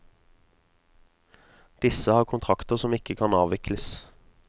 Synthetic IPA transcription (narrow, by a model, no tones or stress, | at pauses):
d̪̥ɪsəhɑːʁkʰʊnt̪ʰʁɑkt̪əʁsɔmɪkəkʰɑnɑːʋɪkləs